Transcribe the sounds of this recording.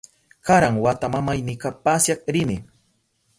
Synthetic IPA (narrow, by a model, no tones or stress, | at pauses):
kaɾaŋwat̪amamajnɪkapasjakɾɪnɪ